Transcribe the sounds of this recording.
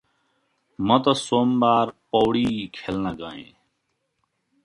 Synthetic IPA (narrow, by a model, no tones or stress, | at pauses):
mət̪ɐsoːmbaːɾpoːwɽiːkʰelnaːɡãːḛ̃ː